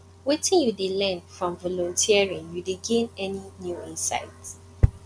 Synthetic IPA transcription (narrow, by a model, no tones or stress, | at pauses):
wetĩnjudelɛ̃nfɹɔ̃mvɔlɔ̃ntʰiaɹĩŋjudeɡẽnɛninjuĩnsa̰ɪt